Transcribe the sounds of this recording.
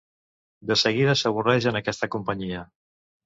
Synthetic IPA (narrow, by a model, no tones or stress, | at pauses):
d̪əsəɣiðəsəβ̞urɛʒənəkɛst̪əkumpəɲiə